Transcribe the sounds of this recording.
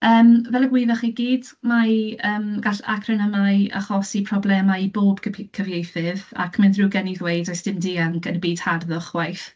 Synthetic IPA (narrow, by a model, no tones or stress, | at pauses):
əːmvɛlˠəɡwɪvaχiɡiːdmaəːmɡ̥aɬa̰kʰrənəmaa̰χɔsipʰrɔblˠɛmaiboːb̥kʰəvjejθɪða̰kʰmɪnðruːɡɛniðwejdɔjsd̥ɪmdiaŋkʰənbiːd̥harðʊχwajθ